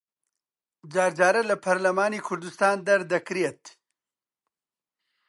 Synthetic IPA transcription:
d͡ʒaːɾd͡ʒaːɾɐlɐpʰɐɾlɐmaːniːkʰʊɾd̪ust̪aːnd̪ɐɾd̪ɐkɾeːt̪

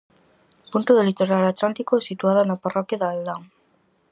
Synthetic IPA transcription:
punt̪oðelit̪oɾalat̪lant̪ikoɛsit̪uaðanaparɔkjaðald̪aŋ

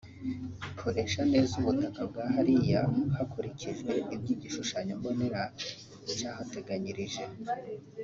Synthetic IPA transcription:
ikʰuɾe̞ʃane̞ːzuβutakab̚ɡaːɦaɾija̰hakuɾiciʒɡwe̞ibɟiːɟiʃuʃaɲombo̞ne̞ɾa | it͡ʃaːhate̞ɡaɲiɾiʒe̞

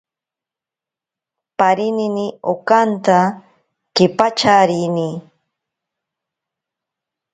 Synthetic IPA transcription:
paɾininiokant̪a | kɪpat͡ʃaɾini

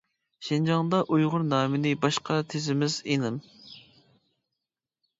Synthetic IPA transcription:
ʃɪnd͡ʒɑŋd̪ɑʔujʁʊɾnɑːmɪnɪbɑʃqʰɑt̪ʰezɪmɪzenɨm

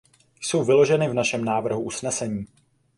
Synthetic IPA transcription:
jso̞wvɪlo̞ʒɛnɪvnaʃɛmnaːvr̩ɦuʔusnɛsɛɲiː

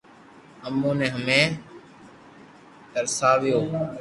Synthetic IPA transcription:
əmõːnẽːɦəmẽː | təɾsaːʋɪjoː

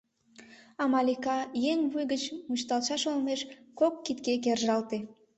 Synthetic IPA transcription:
ɑmɑlikɑjeŋβujɣət͡ɕmut͡ɕt̪ɑlʃɑʃolmeʃkokːit̪kek̬erʒɑlt̪e

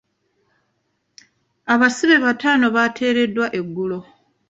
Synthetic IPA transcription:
aβasiβe̞βataːno̞βatʰe̞ːɾe̞dːwaʔe̞ɡːulo̞

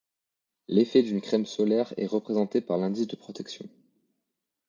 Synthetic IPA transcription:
lefɛd̪ynkχɛmsɔlɛʁɛ̰ʁəpχezɑ̃t̪epaʁlɛ̃d̪isd̪əpχɔt̪ɛksjɔ̰̃

